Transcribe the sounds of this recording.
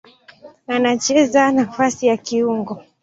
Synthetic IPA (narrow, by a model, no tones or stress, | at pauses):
anat͡ʃɛzanafasijakiuŋɡɔ